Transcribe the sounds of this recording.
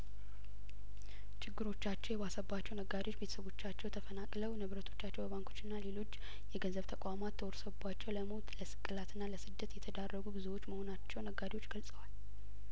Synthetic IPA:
t͡ʃʰɪɡːɨɾo̞t͡ʃːat͡ʃːɛwjɛβasəbat͡ʃːɛwnəɡad̪iwot͡ʃːbet̪ʰə̥səβo̞t͡ʃːat͡ʃːɛwt̪ʰəfənakʼləwnɨβɾət̪ʰo̞t͡ʃːat͡ʃːɛwbəβaŋkʰo̞̥t͡ʃːɪnːalelo̞t͡ʃː | jɛɡənzəβt̪ʰəkʼamat̪ʰːəwoɾsəubat͡ʃːɛwləmot̪ləsɨ̥kʼːɨlat̪ʰɨnːaləsɨd̪ːət̪jɛt̪ʰəd̪arːəɡubɨzuwo̞t͡ʃːməho̞nat͡ʃːɛwnəɡːad̪iwot͡ʃːɡəlsʼəwal

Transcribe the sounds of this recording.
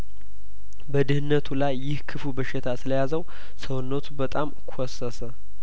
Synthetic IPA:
bəd̪ɨhɨnːət̪ʰulajːɪhkʰɨfubəʃɪt̪ʰasɨləjazəw | səwnːət̪ʰubət̪ʼamkʰosːəsə

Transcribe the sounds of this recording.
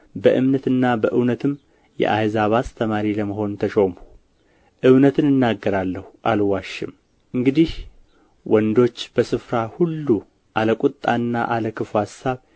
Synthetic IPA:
bəʔɨmnət̪ɨnːabəʔɨwnət̪ʰɨm | jɛ̰ʔahzaβast̪ʰəmaɾiləməɦo̞nt̪ʰəʃo̞mu̥ | ʔɨβnət̪ʰɨnɨnːaɡːəɾalːəhuʔalwaʃːɪm | ʔɨŋɡɨd̪ih | wɔnd̪o̞t͡ʃːb̥əsɨfɾahulːu | ʔaləkʷʼut̪ʼːanːaʔaləkʰɨfuhasaβ

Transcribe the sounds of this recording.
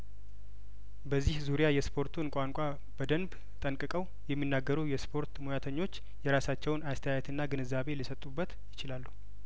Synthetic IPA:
bəzːihzuɾijajɛspʰo̞ɾt̪ʰunkʷʼaŋkʷʼa | bəd̪ənb | t̪ʼənkʼɨkʼəw | jɛmːinːaɡːəɾuwjɛspʰo̞ɾt̪mojat̪ʰəɲːo̞t͡ʃː | jɛɾasat͡ʃːɛwnast̪ʰəjajɛt̪ʰɨnːaɡɨnɨzːaβe̞lɨsət̪ʼubːət̪jɪt͡ʃɪlalːuhu

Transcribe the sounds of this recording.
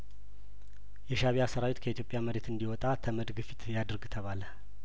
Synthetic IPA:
jɛʃaβiasəɾawit̪kʰəit̪jo̞pʼjaməɾe̞t̪ɨnd̪iwɔt̪ʼat̪ʰəməd̪ɡɨfi̥t̪jad̪ɾɡt̪ʰəβalə

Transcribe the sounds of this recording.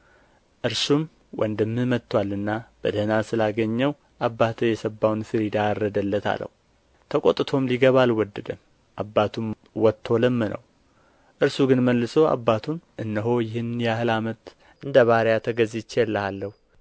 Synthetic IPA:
ʔɨɾsum | wʔɔ̰nd̪əmːɨmət̪ʰːwalːɨnːab̥ə̰d̪əhnasɨlaɡəɲːəw | ʔabːat̪ʰəjɛsəbːawnfɨɾid̪arːəd̪əlːət̪ʰa̰lə̰hu | t̪ʰəkʼo̰t̪ʼɨt̪ʰo̞mliɡəβalwɔd̪ːəd̪əm | ʔabːat̪ʰum | wɔt̪ʰːo̞ləmːɨnə̰w | ʔɨɾsuɡɨnməlːɨsoa̰bːat̪ʰunʔɨnːəɦo̞jɪhɨnjɛaɦɨlamət̪ | ʔɨnd̪əβaɾjat̪ʰəɡəzit͡ʃːjɛlːəhalːəhu

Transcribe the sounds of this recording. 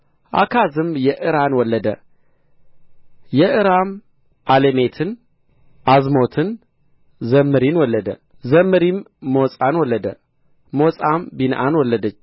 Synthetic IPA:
ʔa̰kʰazɨmjɛʔɨɾanwɔlːəd̪ə̰ | jɛʔɨɾam | ʔaleme̞t̪ʰɨn | ʔazmo̞t̪ʰɨn | zəmːɨɾinwɔlːəd̪ə̰ | zəmːɨɾimː | osʼanwɔlːəd̪ə | mosʼambinʔanwɔlːəd̪ət͡ʃː

